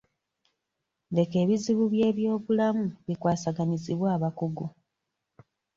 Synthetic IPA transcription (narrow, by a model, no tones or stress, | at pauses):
de̞ke̞ːβiziβuβje̞ːβjo̞ːβulamuβikwaːsaɡaniziβwaːβakuɡu